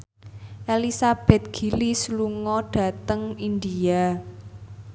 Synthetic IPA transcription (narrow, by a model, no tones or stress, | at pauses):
ʔelisab̥ɛ̤t̪̚ɡ̥i̤lisluŋɔɖ̥ä̤t̪əŋind̪ia